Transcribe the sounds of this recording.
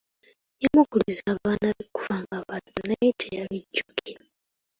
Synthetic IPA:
jamukulizaːβaːnaβiku̥vaːŋɡaβatuneitʰejaβiɟːuki̥

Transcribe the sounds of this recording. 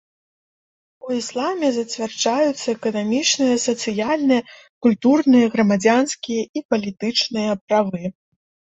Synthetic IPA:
uislˠamʲɛzɐt͡sʲvʲard͡ʐajut̪sːɐɛkɐnamʲit͡ʂnɨjɐsɐt̪sɨjalʲnɨjɐ | kulʲt̪urnɨjɐɣɾɐmad͡zʲanskʲijɐipɐlʲit̪ɨt͡ʂnɨjɐpɾavɨ

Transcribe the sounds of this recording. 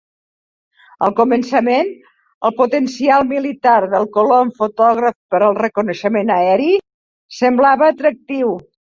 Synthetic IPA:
əlˠkumənsəmen | əlˠput̪ənsialˠmilit̪aɾðəlˠkuloəɱfut̪ɔɣɾəfpəɾəlˠrəkunəʃəmenəɛɾi | səmblaβəːt̪ɾək̚t̪iw

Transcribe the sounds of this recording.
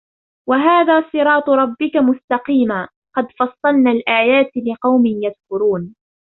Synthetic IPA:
waɦaːðaːsˤɨɾɑːt̪ˤʊɾˤɑbːɪkamʊst̪ɑqiːmaː | qɑd̪fɑsˤːɑlnaːlʔaːjaːt̪lɪqɑwmɪnjaðkʊɾuːn

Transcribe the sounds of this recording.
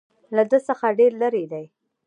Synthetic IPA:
lad̪əsəxaɖeɾləɾed̪aj

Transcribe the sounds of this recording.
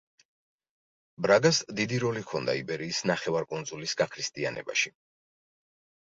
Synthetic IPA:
bɾaɡasd̪id̪iɾɔlikʰɔnd̪a̰ibɛɾiːsnaχɛvaɾkʼund̪zulisɡakʰɾist̪ʼianɛ̰ba̰ʃi

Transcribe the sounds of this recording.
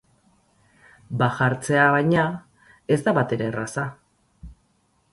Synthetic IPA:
baxaɾt͡se̞aβajɲa | e̞zd̪aβat̪e̞ɾe̞rasa

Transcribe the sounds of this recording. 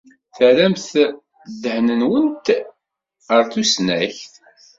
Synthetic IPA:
θəɾæmθ | d̪ːəhnənwənt̪ | əɾθusnæ̰çθ

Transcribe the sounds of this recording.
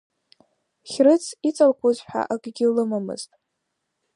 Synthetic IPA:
χʲrɨt͡sʰit͡sʼalkʷʰozʷħa̰ʔakʼɡʲɪlɨmamɨ̰z̥tʼ

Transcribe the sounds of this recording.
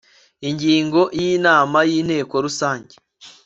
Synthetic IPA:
iɲɟiːŋɡo̞jiːnaːmajin̥he̞ːko̞ɾusaːɲɟe

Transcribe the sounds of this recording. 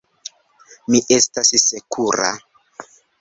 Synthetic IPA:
miʔestassekuɾa̰

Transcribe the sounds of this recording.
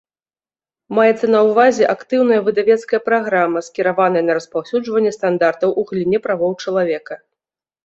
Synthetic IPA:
majɛt̪sːɐnɐwvazʲɛʔakt̪ɨwnɐjɐvɨd̪avʲɛt̪skɐjɐpɾaɣɾamɐskʲiɾavanɐjɐnɐɾɐspawsʲud͡ʐvɐnʲːɛst̪and̪art̪ɐwʔuɣlʲinʲːɛpɾavɔwt͡ʂɐlˠavʲɛkɐ

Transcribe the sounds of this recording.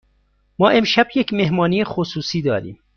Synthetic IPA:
mɒːʔe̞mʃæbjecʰmeɦmɒːniːjexosuːsiːd̪ɒːɾḭːm

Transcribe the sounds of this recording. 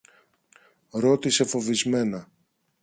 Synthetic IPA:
ɾo̞t̪ise̞fo̞vizme̞nɐ

